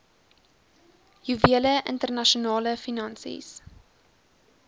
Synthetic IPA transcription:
juviələʔə̰ntərnɐʃonɑːləfinɐnsḭs

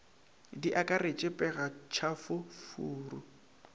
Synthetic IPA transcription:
diʔakʼaret͡ʃʼɪpʼɛɣat͡ʃʰafʊfuːru

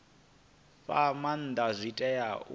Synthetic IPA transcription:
ɸaman̩d̪azʷitʼɛjaʔ

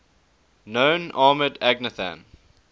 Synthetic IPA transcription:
nõʊnɑːmədæɡnəθã̰n

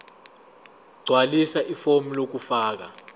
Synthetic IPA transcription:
ɡ͡ǀʱwalisaʔifomilok̬ufaːk̬a

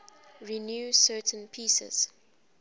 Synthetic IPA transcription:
ɹinjuːsɜtʰə̃npʰiːsə̰z̥

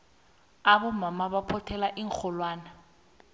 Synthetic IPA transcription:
abɔmamaβapʰɔtʰɛlaʔiŋ̩k͡xʰɔlwaːna

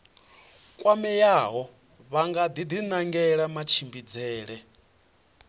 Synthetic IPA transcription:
kʼwamɛjaɦɔ | βaŋɡad̪id̪inaŋɡɛɺamat͡ʃʰimbid͡zɛːɺɛ

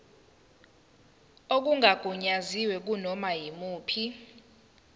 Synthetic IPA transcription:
ok̬uŋaɡ̥ʱuɲaziwɛk̬unɔmajimuːpʰi

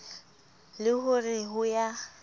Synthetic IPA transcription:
lɪhʊrɪɦʊja

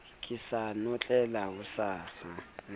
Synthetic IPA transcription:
k̬ʼisanɔt͡ɬʼɛlakusaːsa

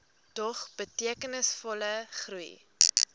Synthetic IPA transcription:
tɔχb̥ətiəkənəsfɔləχruj̰

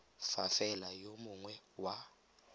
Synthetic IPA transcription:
fafɛlajomuŋwɛwa

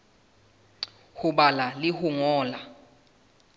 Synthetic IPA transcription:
huɓalalihuŋɔːla

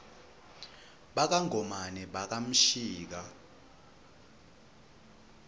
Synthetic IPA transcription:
ɓak̬aŋɔmanɛɓak̬am̩ʃiːk̬a

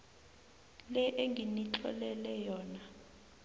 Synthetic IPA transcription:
lɛʔeŋɡʱinit͡ɬʰʼɔ̰lɛlɛjɔːna

